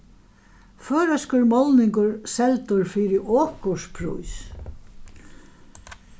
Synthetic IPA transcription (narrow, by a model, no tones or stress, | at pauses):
føːɾəskʊɾmɔlnɪŋkʊɾsɛlt̪ʊɾfiːɾɪʔɔːkʊʂpʰɾṵjs